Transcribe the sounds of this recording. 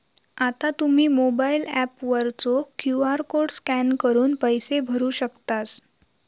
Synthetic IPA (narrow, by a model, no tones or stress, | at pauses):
at̪at̪um̤iːmobailæpʋəɾt͡sokjuaɾkoɽɖskænkəɾuːnpəjsebʱəɾuːɕəkt̪as